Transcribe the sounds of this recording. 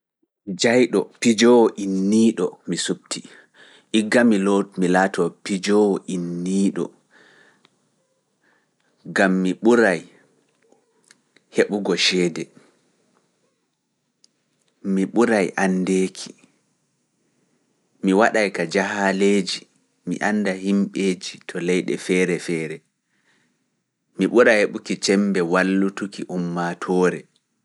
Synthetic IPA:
d͡ʒajɗɔ̰pid͡ʒɔwɔʔinːiːɗɔ̰misub̚tʰi | ʔiɡːamilomilaːtʰɔpid͡ʒɔwɔʔinːiːɗɔ̰ | ɡamːiɓuɾaj | heɓuɡɔʃɛːdɛ | miɓuɾajʔandeːkʰi̥ | miwaɗajkad͡ʒahaleːd͡ʒi | mḭʔanːdaɦimɓeːd͡ʒitʰɔlɛjɗɛ̰fɛːɾɛfɛːɾɛ | miɓuɾajheɓukit͡ʃɛmbɛwalːutukiʔumːatʰɔːɾɛ

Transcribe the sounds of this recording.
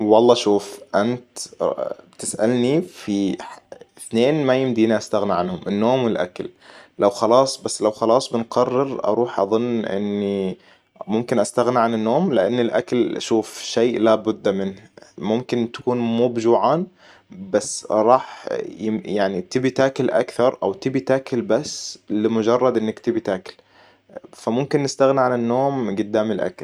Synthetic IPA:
wɑlˤːɑːʃuːfʔant̪ | bt̪ɪsʔa̰lnifi | ɪθneːnmajɪmd̪iːniʔast̪aɣniʕanhʊmʔɪnːoːmwɪlʔa̰kallawxɑlɑːsˤbasːlawxɑlɑːsˤbɪnqɑrːɪɾʔɑ̰ɾˤuːħʔɑ̰ðˤʊnːʔɪ̰nːi | mʊmkɪnʔast̪aɣniʕanɪnːoːmlɪʔanːɪlʔa̰kalʔa̰ʃuːfʃeːʔlabʊd̪ːmɪnhmʊmkɪnt̪ḁkuːnmuːbd͡ʒuːʕaːn | basːɾˤɑːħjɪjaʕnit̪ɪbit̪aːkɪlʔa̰kθɑɾˤʔa̰wt̪ɪbit̪aːkɪlbasːlɪmʊd͡ʒɑrˤːɑd̪ʔɪnːakt̪ɪbit̪aːkɪl | famʊmkɪnːɪst̪aɣniʕanɪnːoːmɡʊd̪ːaːmɪlʔa̰kl

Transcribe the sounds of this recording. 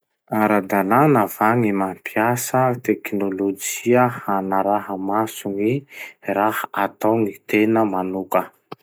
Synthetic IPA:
aɾad̪ananav̥aŋimampiasət̪eknolod͡ʒiəhanaɾaɦəmasuŋirahaat̪awŋit̪enəmanukə

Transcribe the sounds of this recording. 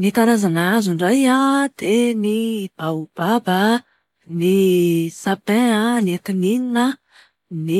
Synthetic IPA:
nit̪aɾazanaazuɳɖ͡ʐajad̪̥enib̥aub̥abə | nisapɛ̃aniet̪inininə | ni

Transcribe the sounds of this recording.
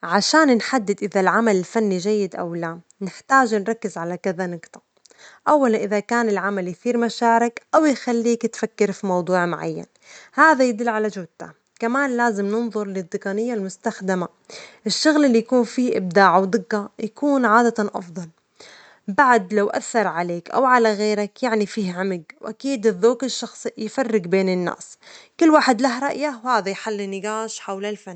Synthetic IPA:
ʕaʃaːnnħad̪ːɪd̪ʔɪðalʕamalɪlfanːiʒajːɪd̪ʔa̰wlaː | nɪħt̪aːʒnɾˤɑkːɪzʕalakaðanɪɡt̪ḁ | ʔawːalanʔɪðakaːnɪlʕamalkθiːɾmaʃaːɾɪkʔawjxalːiːkɪt̪fakːɪɾfimɑwd̪ˤuːʕmʊʕa̰jːa̰n | haːðajɪd̪ɪlːʕalad͡ʒʊwd̪a | kamaːnlaːzɪmnɪnðˤʊɾˤlɪd̪ːɪqɑnɪjːalmʊst̪axd̪ɪma | ʔɪʃːʊɣlɪlːijakuːnfiːʔɪb̚d̪aːʕawd̪ɪɡːajakuːnʕaːd̪at̪anʔɑ̰fðˤɑl | baʕd̪lawʔa̰θːɑɾˤʕaleːkʔa̰wʕalaɣeːɾakjaʕnifiːhʕʊmɪɡwʔakiːd̪ɪðːoːkɪʃːɑxsˤjɪfɑrːɪɡbeːnɪnːa̰ːskɪlːwaːħɪd̪laɦɾˤɑʔjawhaːðajħalːinːɪɡaːʃħawlalfanː

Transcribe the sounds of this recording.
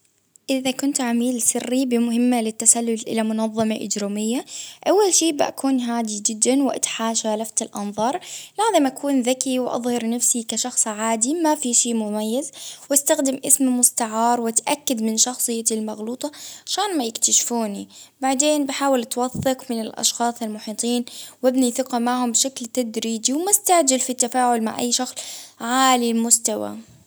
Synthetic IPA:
ʔɪðakʊnt̪ʕamiːlsɪrːibɪmʊɦɪmːalɪt̪ːasalːʊlʔɪ̰lamʊnɑðˤːɑmɑʔɪ̰d͡ʒɾumɪjːaʔawːalʃiːbɪʔa̰kʰuːnɦaːd̪id͡ʒɪd̪ːanwɪʔa̰t̪ħaːʃaːlaft̪ɪlʔɑ̰nðˤɑːɾˤlaːzɪmʔakʰuːnðakiwʔɑ̰ðˤhɑɾˤnafsikaʃɑxsˤʕaːd̪imafiʃiːmʊmajːazwast̪axd̪ɪmʔɪsmmʊst̪aʕɑːɾˤwat̪ʔakːad̪mɪnʃɑxsˤɨjːalmɑɣluːt̪ˤɑʔaʃaːnmajɪkt̪aʃfuːnibaʕd̪eːnbɪħaːwɪlt̪wɑθːɪqmɪnɪlʔɑ̰ʃxɑːsˤɪlmʊħiːt̪ˤiːnwɪbniθɪqɑmaʕhʊmbʃaklt̪ad̪ɾiːd͡ʒiwmʊst̪aʕd͡ʒalfit̪ːafaːʕʊlma̰ʕʔa̰jːʃɑxsˤʕaːlilmʊst̪awa̰

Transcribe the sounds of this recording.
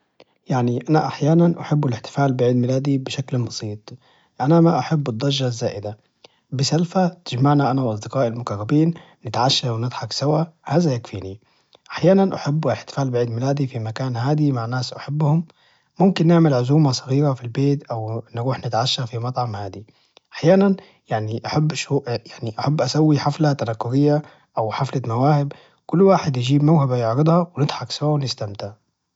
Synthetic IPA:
jaʕniʔanaʔaħjaːnanʔaħɪbːɪlɪħt̪ɪ̥faːlbɪʕiːd̪mɪlaːd̪ibɪʃaklbɑsˤiːt̪ˤ | ʔanamaʔaħɪbːɨd̪ˤːɑʒːazːaːʔɪd̪a | bɪsalfat̪ɪd͡ʒmaʕnaʔanawʔɑs̬ˤd̪ɪqɑːʔɪlmʊkarˤːɑbiːnː | ɪt̪ʕaʃːawnɪd̪ˤħɑksawahaːzajakfiːni | ʔaħjaːnanʔaħabːlɪħt̪ɪ̥faːlbɪʕiːd̪mɪlaːd̪ifimakaːnhaːd̪imaʕnaːsʔaħabːhʊmː | ʊmkɪnːɪʕmɪlʕʊzuːmasˤɑɣiːɾafilbeːt̪ʔawnɾuːħnɪt̪ʕaʃːafimɑt̪ˤʕɑmhaːd̪i | ʔḁħjaːnan | jaʕniʔaħabːʃuʔjaʕniʔaħabːʔasawːiħaflat̪anakːʊɾɪjːa | ʔawħaflamawaːhɪb | kʊlːwaːħɪd̪jɪd͡ʒiːbmawhabajʊʕɾɪd̪ˤhɑwnɪd̪ˤħɑksawawnɪst̪amt̪aʕ

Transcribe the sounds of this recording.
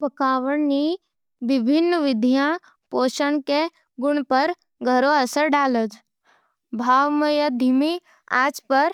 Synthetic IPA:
pəkaːʋəɳni | ʋɪbʱɪnːʋɪd̪ʱijã | poːʃəɳke | ɡʊɳ̃pəɾ | ɡʱəɾoɐsəɾɖaːlət̪ | bʱaːʋməjəd̪ʱimi | a̰ːd͡ʒpəɾ

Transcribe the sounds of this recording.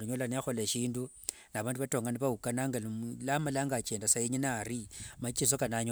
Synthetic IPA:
uɲolaniaxo̞leʃiːndu | naβaːnduβato̞ŋɡaniβaukanaŋɡallamalaŋɡat͡ʃeːndasaiɲinarimat͡ʃis̬okanaɲo

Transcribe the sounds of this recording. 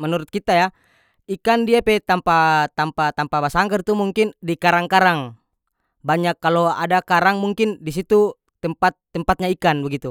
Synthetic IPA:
mənuɾut̪̚kit̪aja | ikandiapɛt̪ampat̪ampat̪ampabasaŋɡərt̪umuŋkindikaɾaŋkaɾaŋ | baɲakːaloa̰dakaɾaŋmuŋkindis̬it̪u | t̪ɛmpat̪ːəmpat̪̚ɲaikanbəɡit̪u

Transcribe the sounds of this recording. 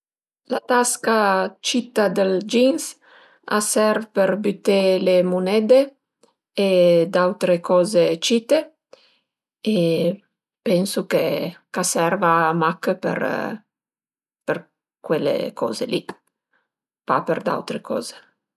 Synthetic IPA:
lat̪askat͡ʃit̪ːad̪eld͡ʒins | a̰sɛɾvpeɾbyt̪ːelemunɛd̪e | ed̪awt̪ɾekɔːzet͡ʃit̪e | e | pɛnsukekasɛɾvamakːpḛɾ | per | kwelːḛkʰɔ̰ːzḛli | pa̰peɾd̪a̰wt̪ɾekʰɔ̰ːze̥

